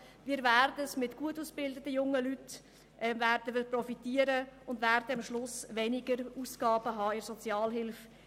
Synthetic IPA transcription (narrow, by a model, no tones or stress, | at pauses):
miːɾvæːrd̪əəsmɪtɡ̥uətuːsb̥ɪldətəjʊŋːəlyt | ʔɛmvæːɾdəʋɪɾprɔfitiːəɾəʊndvæɾdəɑmʃlʊsʋɛnɪɡəɾuːsɡ̥ɑːbəɦɑːɪɾsɔt͡sjɑːlɦɪlf